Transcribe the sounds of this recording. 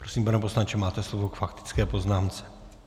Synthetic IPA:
pɾosiːmbanɛp̬oslant͡ʃɛmaːt̪ɛslovokfakt̪ɪ̥t͡skɛːpo̞znaːmt͡sɛ̥

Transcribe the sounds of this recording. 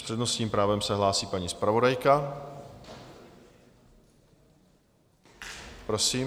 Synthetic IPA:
r̥ɛdnosɲiːmpɾaːvɛmsɛɦlaːsiːpaɲispɾavo̞dajka | pɾosiː

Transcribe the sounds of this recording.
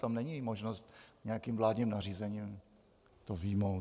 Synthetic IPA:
t̪amnɛɲimoʒnost̪ɲɛjakimvlaːdɲimnar̝iːzɛɲiːm | t̪ovijmow

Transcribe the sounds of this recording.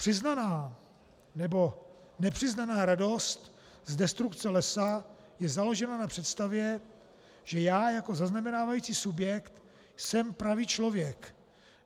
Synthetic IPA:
pr̥ɪznanaː | nɛbo̞ | nɛpr̥ɪznanaːɾado̞st̪ | zdɛst̪ɾukt͡sɛlɛsa | jɛzalo̞ʒɛnanapr̥ɛt̪st̪avjɛ | ʒ̥ɛjaːjako̞zaznamɛnaːvajit͡siːsubjɛkt̪ | sɛmpɾaviːt͡ʃlo̞vjɛk

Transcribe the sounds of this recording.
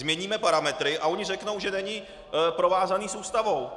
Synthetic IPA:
zmɲɛɲiːmɛpaɾamɛt̪ɾɪʔao̞ɲɪrɛkno̞wʒɛnɛɲɪ | pɾo̞vaːzaniːsuːst̪avo̞w

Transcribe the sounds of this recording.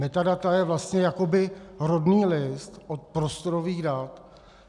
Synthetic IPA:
mɛt̪adat̪ajɛvlast̪ɲɛjako̞bɪɦɾodniːlɪst̪ʔot̪̚pɾo̞st̪o̞ɾoviːɣdat̪

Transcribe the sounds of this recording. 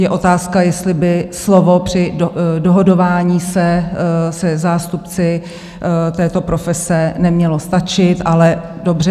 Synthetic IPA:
jɛʔo̞t̪aːskajɛst̪lɪbɪslo̞vo̞pr̝̥ɪdoɦodo̞vaːɲiːsɛsɛzaːst̪upt͡sɪ | t̪ɛːt̪o̞pɾo̞fɛsɛnɛmɲɛlo̞st̪at͡ʃɪt̪ʔalɛdo̞brɛ

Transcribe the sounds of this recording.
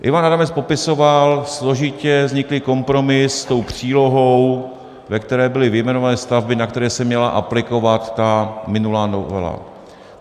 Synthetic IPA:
ʔɪ̰vanaɾamɛspopɪso̞valslo̞ʒɪcɛzɲɪklɪko̞mpɾo̞mɪsːt̪o̞wpr̝̥iːlo̞ɦo̞w | vɛkt̪ɛɾɛːbɪlɪvɪjmɛno̞vanɛːst̪avbɪnak̚t̪ɛɾɛːsɛmɲɛla̰ʔaplɪko̞vat̪ːamɪnulaːnovɛ̰la̰

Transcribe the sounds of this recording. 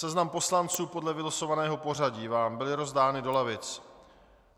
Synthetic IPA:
ɛznampo̞slant͡suːpo̞dlɛvɪlaso̞vanɛːɦo̞po̞r̝aɟiːvaːmbɪlɪɾo̞zdaːnɪdo̞lavɪt͡s

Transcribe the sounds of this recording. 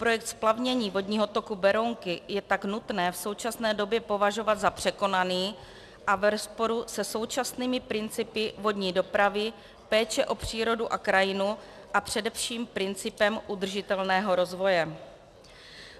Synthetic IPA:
pɾojɛk̚t̪splavɲɛɲiːvo̞dɲiːɦo̞t̪o̞kubɛɾoŋkɪjɛt̪aknut̪nɛːfso̞wt͡ʃasnɛːdo̞bjɛpo̞vaʒo̞vat̪zapr̝̥ɛko̞naniː | ʔavɛɾospo̞ɾusɛso̞wt͡ʃasniːmɪpɾɪnt͡sɪpɪvo̞dɲiːdo̞pɾavɪ | pɛːt͡ʃɛʔo̞pr̝̥iːɾo̞duʔakɾajɪnu | ʔapr̝̥ɛdɛfʃiːmpɾɪnt͡sɪpɛmʔud̪r̩ʒɪt̪ɛlnɛːɦo̞ɾo̞zvo̞jɛ

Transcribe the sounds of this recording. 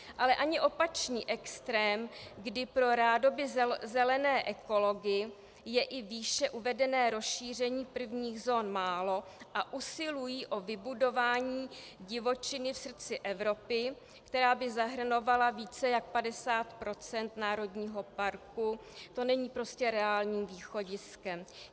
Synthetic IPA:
ʔalɛʔaɲɪʔo̞pat͡ʃɲiːʔɛkst̪ɾɛːmɡdɪpɾo̞ɾaːdo̞bɪzzɛlɛnɛːʔɛko̞lo̞ɡɪ | jɛʔɪviːʃɛʔuvɛdɛnɛːɾo̞sʃiːr̝ɛɲiːpr̩vɲiːɣzo̞ːnmaːlo̞ʔaʔusɪlujiːʔo̞vɪbudo̞vaːɲiː | ɟɪvo̞t͡ʃɪnɪfsr̩t͡sɪʔɛvɾo̞pɪ | kt̪ɛɾaːbɪzaɦr̩no̞valaviːt͡sɛjak̚padɛsaːt̪pɾo̞t͡sɛnt̪naːɾo̞dɲiːɦo̞paɾkut̪o̞nɛɲiːpɾo̞scɛɾɛaːlɲiːmviːxo̞ɟɪskɛm

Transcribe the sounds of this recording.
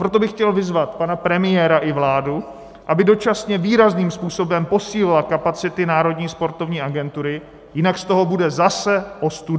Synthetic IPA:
pɾo̞t̪̬o̞bɪxcɛlvɪzvat̪panapɾɛmɪjɛːɾaʔɪvlaːdu | ʔabɪdo̞t͡ʃasɲɛviːɾazniːmspuːso̞bɛmpo̞siːlɪlakapat͡sɪt̪ɪnaːɾo̞dɲiːspo̞ɾt̪o̞vɲiːʔaɡɛnt̪uɾɪ | jɪnakst̪o̞ɦo̞budɛzasɛʔo̞st̪ud

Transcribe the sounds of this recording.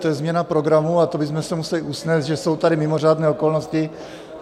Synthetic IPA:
t̪ojɛzmɲɛnapɾo̞ɡɾamuat̪obɪzmɛsɛmusɛlɪʔusnɛːzd̪ʒɛso̞wt̪adɪmɪmo̞raːdnɛːokolnoscɪ

